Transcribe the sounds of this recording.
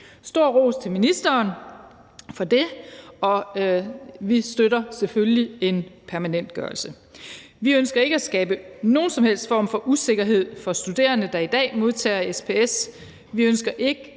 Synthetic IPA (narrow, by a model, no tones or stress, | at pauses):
sd̥o̝ɐ̰ʁo̝̰ːst͡sʰe̝minisd̥ɐːn | fɒ̽d̥e̝ɒ̽ | ʋisd̥øɾɐsefølie̝npʰæɐmænen̰d̥̚ɡ̥ɶɐlsə | ʋiønsɡ̥ɐe̝ɡ̥əæsɡ̥ɛːb̥əno̝ːn̩sɒ̽mhel̰sd̥fɒ̰ːmfɒ̽ʔuse̝ɡ̥ɐɦe̝ð̞̰ˠfɒ̽sd̥ud̥e̝̰ːɐnəd̥ɑ̈id̥ɛ̰ːmo̝ð̞ˠt͡sʰɛ̰ːɐespʰees | ʋiønsɡ̥ɐʔe̝ɡ̥ə